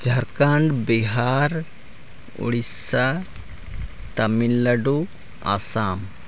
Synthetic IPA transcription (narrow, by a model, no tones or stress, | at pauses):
d͡ʒʱɐɾkaɳɖbiɦaɾ | ṵɽis | a | t̪aminlɐɖu | a̰sam